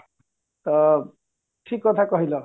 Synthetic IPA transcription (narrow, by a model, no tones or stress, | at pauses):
t̪ʌ | ʈʰikːʌt̪ʰakʌɦilʌ